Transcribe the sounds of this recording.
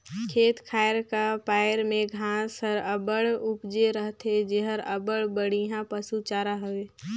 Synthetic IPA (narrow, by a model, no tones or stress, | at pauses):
kʰeːt̪kʰaːɪɾkapaːɪɾmẽɡʱãːsəɾəbəɽʊpd͡ʒeɾəɦt̪ed͡ʒeɦəɾəbəɽbəɽiɦãpəsut͡ʃaːɾaɦəʋeː